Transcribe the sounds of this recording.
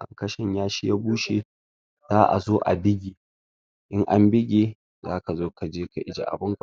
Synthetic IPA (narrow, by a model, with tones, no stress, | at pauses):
ʔa̰˨ŋkɐ˦ʃɪ˦ɲjaː˦ʃi˦jaː˦buː˦ʃe˨ | zaː˦ʔa̰˨zoː˦ʔa̰˨bɪ˦ɡʲi˨ | ʔɪ˦ŋʔa˦mbɪ˦ɡʲe˨˦ | zaː˦ka˨zoː˦ka˨d͡ʒeː˦ka˨ʔɪ˦d͡ʒa̰˨ʔa̰˨bʊ˦ŋka˨